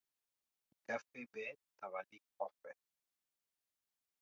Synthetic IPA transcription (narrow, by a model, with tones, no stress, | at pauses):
ɡa˦fe˦bɛ˦ta˨βa˨li˦k̚ɔ˨fɛ˨